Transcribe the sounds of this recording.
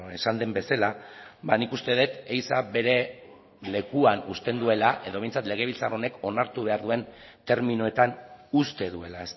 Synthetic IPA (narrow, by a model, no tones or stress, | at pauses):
e̞sand̪e̞mbe̞salabanikust̪e̞ðe̞t̪ejsabe̞ɾe̞ | le̞kuanust̪e̞nd̪ue̞laʔe̞ðo̞e̞jnt͡sat̪le̞ɣ̞e̞βilt͡saro̞ne̞ko̞naɾt̪uβe̞aɾðue̞nt̪e̞ɾminoe̞t̪anust̪e̞ðue̞lae̞s